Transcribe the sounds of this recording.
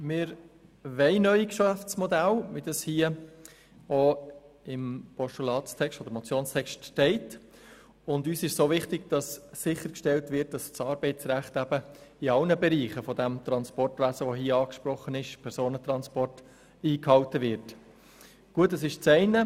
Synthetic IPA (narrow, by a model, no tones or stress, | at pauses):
mɪɾʋɛɪnœʏikʃæft͡smɔd̪ælʋid̥ɑshiːə | oɪmpɔʃtulɑːtst̪ʰɛkʃtɔd̥̪əɾmɔt͡sjoːnst̪ʰɛkʃtːɛɪt | ʊndyːsɪʃsoːʋɪχtɪɡd̥ɑsːɪχəɾkʃtɛltʋɪɾt̚d̥ɑst͡sɑːɾbɛɪt͡sɾæχtæbəɪɑlnəbɛɾiːχəfɔd̪æmt̪ɾɑnspɔrtʋæsəʋoɦiəɑːkʃpɾɔχːənɪʃpʰɛɾsoːnət̪ɾɑnspɔrt | iːkhɑltəʋɪɾt | ɡ̥uət̬ːɛsɪʃt͡sɛɪnə